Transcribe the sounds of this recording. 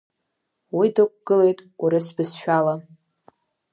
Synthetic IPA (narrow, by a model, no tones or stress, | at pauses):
widɨk̚ʷʼɡ̥ɨle̞jtʼuɾɨsbɨsʃᶣala